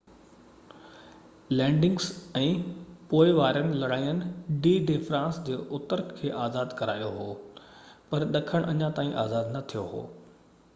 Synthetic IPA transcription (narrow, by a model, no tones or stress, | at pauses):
lɛ̃ːɳɖɪ̃ŋɡsɛ̃ːpoːɪʋaːɾənɪ̆lɐɽaːijənɪ̆ɖiːɖeːfɾãːnsd͡ʑeːʔʊt̪əɾkʰeːʔaːzaːd̪kɐɾaːijoɦoː | pɐɾɗɐkʰəɽ̃ʔɐɲãt̪aːĩʔaːzaːd̪nɐt̪ʰijoɦo̰ː